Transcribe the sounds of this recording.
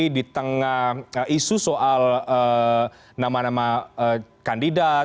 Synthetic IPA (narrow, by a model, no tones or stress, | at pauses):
idit̪əŋahəisusoʔalə | namanamaəkandida